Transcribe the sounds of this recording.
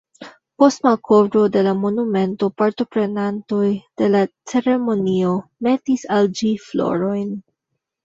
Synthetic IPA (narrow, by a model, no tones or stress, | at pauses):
po̞stmalkʰo̞vɾo̞de̞lamo̞nume̞nto̞paɾto̞pɾe̞nanto̞jd̥e̞lat͡se̞ɾe̞mo̞nio̞me̞tisald͡ʒiflo̞̰ɾo̞jn